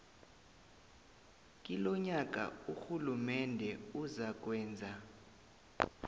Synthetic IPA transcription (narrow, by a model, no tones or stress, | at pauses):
kʼilɔɲak̬ʼa̰uxulumɛndʱɛuzak̬wɛːnd͡zʱa